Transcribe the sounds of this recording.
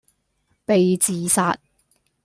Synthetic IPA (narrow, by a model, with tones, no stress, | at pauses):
pe˨jt͡siː˨saː˨t̚